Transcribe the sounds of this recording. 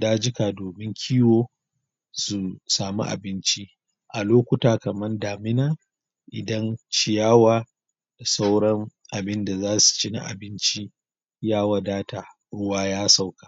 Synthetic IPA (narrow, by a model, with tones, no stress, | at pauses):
daː˦d͡ʒɪ˦ka˨doː˨mɪ˦ŋkʲʰiː˦woː˦ | su˨saː˨mṵ˦ʔa̰˨bɪ˦nt͡ʃi˦ | ʔa˨loː˦kʷʊ˦taː˨kɐ˨mɐ˦ndaː˨mɪ˦naː˨ | ʔɪ˨dɐ˦nt͡ʃɪ˨jaː˦waː˨ | d̥a˨sa˦wɽɐ˦ŋʔa˨bɪ˦nda˨zaː˦su̥˨t͡ʃi˦na̰˦˨ʔa̰˨bɪ˦nt͡ʃi˦ | jaː˦waː˨daː˦taː˨ | ɽʊ˦waː˦jaː˦sa˦wkḁ˨